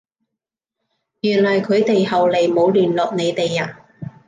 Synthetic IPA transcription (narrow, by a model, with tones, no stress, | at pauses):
jyː˨˩nlɐ˨˩jkʰɵ˨˧ɥt̪e˨jɦɐ˨wle˨˩jmo˨˧wlyː˨˩nlɔː˨k̚ne˨˧jt̪e˨jaː˧˩